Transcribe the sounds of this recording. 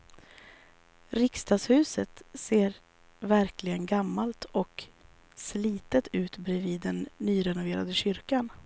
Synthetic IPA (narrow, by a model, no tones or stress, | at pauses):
ɾɪkst̪ɑːshʉ̟ːsət̪seːɾ | væɾklɪɡənɡamːalt̪ʰɔk | sliːt̪ət̪ʉ̟ːt̪bɾɛviːd̪ːɛnːyːɾɛnʊveːɾad̪əɕʏɾkan